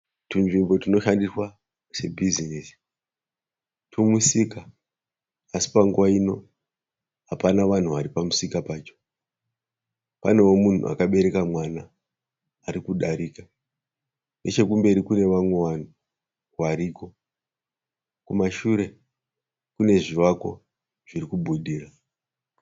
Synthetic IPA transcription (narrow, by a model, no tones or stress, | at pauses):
tinʐimbo̞tino̞ʃandiswa | se̞bʱizinisi̥ | tʰumusika | asi̥paŋɡuwaino̞̰ | ɦapanaʋan̤uʋaɾipamusikapaːt͡ʃo̞̥ | pa̰ne̞womun̤ṵa̰kaɓe̞ɾe̞kamwanaː | ɾikuɗaɾika | net͡ʃe̞kumbe̞ɾikune̞ʋamwe̞ʋan̤u | kwaɾiːko̞ | kumaʃuɾe̞ | kune̞ʐiwako̞̰ | ʐ̥irikuɓʱuɗiːra